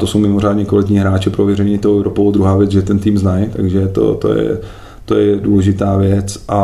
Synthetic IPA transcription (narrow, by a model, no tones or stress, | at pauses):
t̪osowmɪmo̞r̝aːdɲɛkvalɪt̪ɲiːɦɾaːt͡ʃɛpɾovjɛɾɛɲiːt̪oɛvɾopod̪ɾuɦaːvjɛt͡sʒɛt̪ɛnt̪iːmznajt̪aɡʒɛt̪o̰t̪o̰jɛ̰ | t̪ojɛduːlɛʒɪt̪aːvjɛt͡sʔa